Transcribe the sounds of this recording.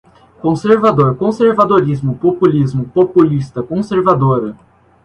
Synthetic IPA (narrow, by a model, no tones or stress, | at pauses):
kõseɾvad̪oɾkõseɾvad̪oɾizmʊpopulizmʊpopulist̪ɐkõseɾvad̪oɾɐ